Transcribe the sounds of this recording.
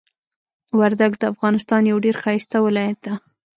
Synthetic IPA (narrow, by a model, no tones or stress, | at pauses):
waɾd̪aɡd̪əafɣɑnɪst̪ɑnjawɖeɾxɑjst̪awɪlɑjat̪̚d̪a